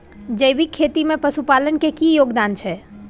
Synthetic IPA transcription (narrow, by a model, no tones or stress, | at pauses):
d͡ʒəjbikʰːet̪imepəsupalənkekijoɡd̪ant͡ʃʰɛ